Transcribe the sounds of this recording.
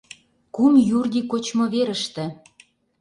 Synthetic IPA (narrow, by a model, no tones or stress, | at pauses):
kumjurd̪ikot͡ɕmŏβeɾə̆ʃt̪ĕ